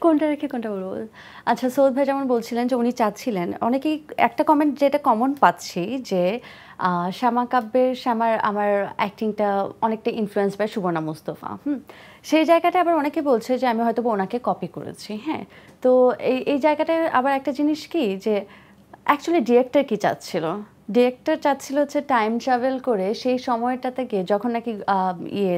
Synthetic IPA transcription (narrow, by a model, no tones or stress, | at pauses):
konʈaɾekʰekonʈaboɾbo̰l | atːɕʰasod̪̚bʱajd͡ʑɛmonbolt͡ɕʰilend͡ʑeunit͡ɕat̪t͡ɕʰilenɔ̰nekeɛ̰k̚ʈakɔmeɳʈd͡ʑeʈakɔmonpatːɕʰid͡ʑe | ʃamakabːeɾʃamaɾa̰maɾɛk̚ʈiŋʈaɔnek̚ʈaʔinfluensbɛʃubonamost̪ofa̰hm̩ | ʃejd͡ʑaeɡaʈaabaɾɔnekebolt͡ɕʰed͡ʑeamiɦɔjt̪obonakekɔpiko̰ɾḛt͡ɕʰiɦɛ̰̃t̪oejʔejd͡ʑaeɡaʈaa̰baɾɛk̚ʈad͡ʑiniʃkid͡ʑe | ɛk̚t͡ɕualiɖiɾek̚ʈaɾkit͡ɕa̰tːt͡ɕʰilo | ɖiɾek̚ʈaɾt͡ɕatːt͡ɕʰiloɦotːɕʰeʈajmʈɾɛvelkoɾeʃejʃɔmɔeʈat̪ʰeked͡ʑɔkʰonːakiḭe